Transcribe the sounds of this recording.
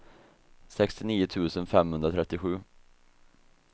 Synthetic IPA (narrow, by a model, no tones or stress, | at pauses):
sɛkst̪ɪniːʊt̪ʰʉ̟ːsənfɛmhɵnd̪ɾat̪ʰɾɛt̪ːɪɧʉ̟ː